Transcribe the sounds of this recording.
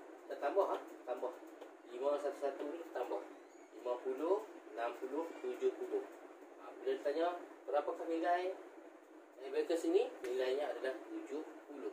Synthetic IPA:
t̪əʔt̪ambɔhaht̪ət̪ambɔh | limasat̪usat̪unit̪ət̪ambɔh | limapulʊhənampulʊht̪ud͡ʒʊpulʊh | abəladit̪aɲabəɾapakahmilaj | ɛbɛkəsinimilajɲaːdalaht̪ud͡ʒʊpulʊh

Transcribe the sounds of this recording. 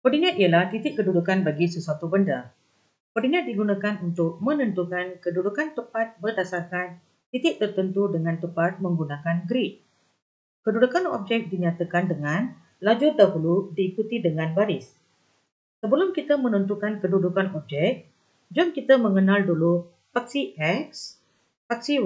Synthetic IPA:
pərdinãt̪ijəlaht̪it̪ɪkkːədudukanbaɡisəsuat̪ubənda | pədinãt̪̚diɡunakanunt̪ʊk̚mə̃nə̃nt̪ukankədudukant̪əpat̪̚bərdasarkan | t̪it̪ɪʔ̚t̪ərt̪ənt̪udəŋãnt̪əpat̪̚mə̃ŋɡunãkanɡɾiʔ̚ | kədudukanɔ̰b̚d͡ʒɛk̚diɲat̪əkandəŋan | lad͡ʒudaɦuludiːkut̪idəŋãnbaɾɪs | səbəlʊmkit̪əmə̃nənt̪ukankədudukanɔb̚d͡ʒɛk̚ | d͡ʒɔmkit̪amə̃ŋənaldulu | pak̚siʔɛks | paksi

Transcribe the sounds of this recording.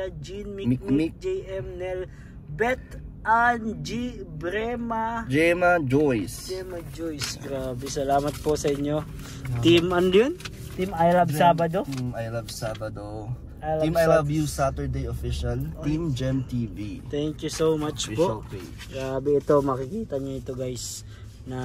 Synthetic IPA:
ɐd͡ʒinmimɪkmik̚d͡ʒɛjʔɛmnɛl | bɛt̪ʔand͡ʒibɾɛmad͡ʒɛmɐd͡ʒojsd͡ʒɛmɐd͡ʒojsɡɾaːbɛsɐlaːmɐt̪̚posɐʔɪɲːo | t̪imɐnljon | t̪imɐjlabsaːbɐd̪otimajlabsaːbɐd̪o | imajlabjusat̪ɛɹd̪ejofiʃɐlt̪imd͡ʒɛmt̪iːvit̪ɛŋkjusomat͡ʃpooke | ɡɾaːbɛɪt̪o̞mɐkɪkiːt̪ɐɲoɪt̪oɡajs | nɐ

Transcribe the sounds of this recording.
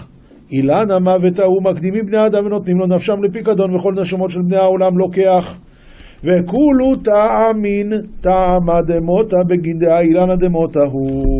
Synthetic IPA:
ʔilanamavet̪aumakd̪imibne̞jaːd̪amveno̞t̪nimlo̞nafʃamlep̬ikad̪o̞nveχo̞lne̞ʃamo̞tʃe̞lbnejao̞lamlo̞ke̞aχ | ve̞kulut̪aamint̪amad̪emo̞t̪abeɡind̪eailanad̪emo̞t̪aɦu

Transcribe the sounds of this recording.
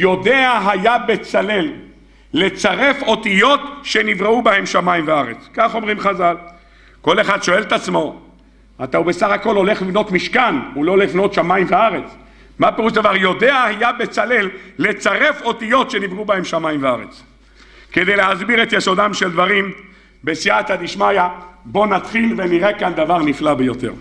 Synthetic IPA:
jo̞d̪e̞aɦajabe̞t͡sale̞lː | e̞t͡saʁe̞fo̞t̪ijo̞t̪ʃenivʁeubahe̞mʃamaimveaʁḛt͡skaχo̞mʁimχazal | ko̞le̞χad̪ʃo̞e̞lt̪at͡smo̞ | at̪aube̞saχako̞lo̞le̞χlivno̞t̪miʃkanulo̞lifno̞t̪ʃamaimveaʁe̞t͡s | mapeʁuʃd̪avaʁjo̞d̪e̞ahijabe̞t͡sale̞lːet͡saʁe̞fo̞t̪ijo̞t̪ʃenivʁubahe̞mʃamajimveaʁḛt͡s | ke̞d̪e̞jlehazbiʁet̪jeso̞d̪amʃeld̪vaʁim | besiat̪ad̪iʃmajabo̞nat̪χilveniʁekand̪avaʁniflabejo̞t̪e̞̰ʁ

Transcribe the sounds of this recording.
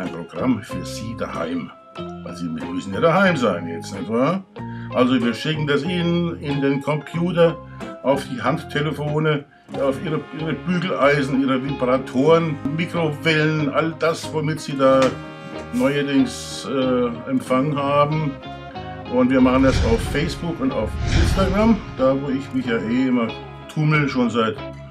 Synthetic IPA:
ʔaɪnpʁ̥oɡ̥ʁamfyːɐz̥iːda̰ha̰ɪm | vaɪlziːmɪmʏsn̩jaːdahaɪmzaɪnjɛt͡snɛçtvaːɐʔalzoviːɐʃɪkŋ̩dasʔiːnənɪndeːnkʰɔmpʰjuːtɐ | ʔaʊfd̥iːɦanttʰːeləfoːnə | aʊfʔiːʁəʔiːʁəb̥yːɡl̩ʔaɪzn̩iːʁəvɪbʁatʰoːʁənmiːkʁ̥ovɛlənʔald̥asvomɪtz̥iːdaː | nɔʏɐdɪŋs | ʔɛːɛmfaŋənɦaːbm̩ | ʔʊntv̥iːɐmaχəndasaʊfɛɪsb̥ʊkʊnta̰ʊfʔɪnstaɡʁamd̥aːvoːɪçmɪçjaːʔeːʔɪmɐ | tʰʊml̩ʃoːnzaɪt

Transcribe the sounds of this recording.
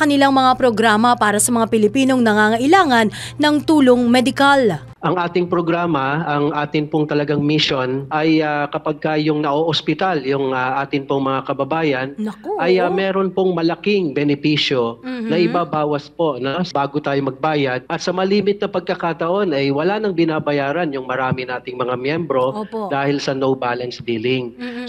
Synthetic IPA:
kɐnɪlaŋmɐŋapɾo̞ɡɾaːmɐpaːɾɐsɐmɐŋapɪlɪpiːno̞ŋnɐŋaːŋɐʔɪlaːŋɐnːɐŋt̪uːloŋmɛd̪ɪkal | ʔɐŋʔaːt̪ɪŋpɾoɡɾaːmɐɐŋʔaːt̪ɪnpoŋt̪ɐlɐɡaŋmɪʃonʔɐjakɐpɐɡ̚kɐjʊŋnɐʔoʔospɪt̪aljʊŋaʔaːt̪ɪnpoŋmɐŋakɐbɐbaːjɐnʔɐjɐmɛːɾo̞npoŋmɐlɐkɪŋbɛnɛpiːʃjo̞nɐʔɪbaːbaːwɐspo̞nɐsbaːɡot̪aːjomɐɡ̚baːjɐd̪̚ʔɐt̪sɐmɐliːmɪt̪̚nɐpɐɡ̚kɐkat̪ɐʔo̞nɐjwɐlanɐŋbɪnaːbɐjaːɾɐnjʊŋmɐɾaːmɪnaːt̪ɪŋmɐŋamjɛmbɾo̞d̪aːhɪlsɐnowbalɐnsbiːlɪŋ

